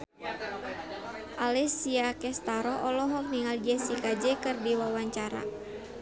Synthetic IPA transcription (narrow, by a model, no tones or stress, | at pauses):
ʔalɛsiakɛst̪aɾɔɔlɔɦɔk̚niŋald͡ʒɛsikad͡ʒɛkɨrdiwawaɲt͡ʃaɾa̰